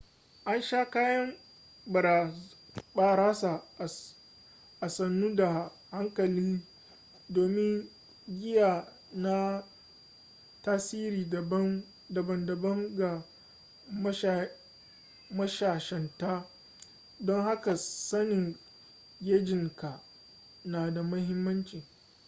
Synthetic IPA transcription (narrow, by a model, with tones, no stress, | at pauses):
ʔa˦nʃaː˦kaː˦jɐ˦m | bɐ˨ɾa˨ | ɓaː˦ɾaː˦sa˨ | ʔa˨sɐ˨nːuː˦da˨ | ha˦ŋkɐ˨liː˦ | doː˨mɪ˦ŋ | ɡʲɪ˦jaː˨ | na˦ | taː˦siː˦ɾiː˨bɐ˦ | dɐ˨bɐ˨ndɐ˨bɐ˦ŋɡa˨ | mɐ˦ʃ | mɐ˦ʃaː˨ʃɛ˨nta˦ | dɔ˦ŋha˦ka˨sɐ˦nɪ˨ŋ | ɡʲeː˦d͡ʒɪ˨ŋka˨ | naː˨da˨mɐ˦ɦɪ˦mːɐ˦nt͡ʃiː˨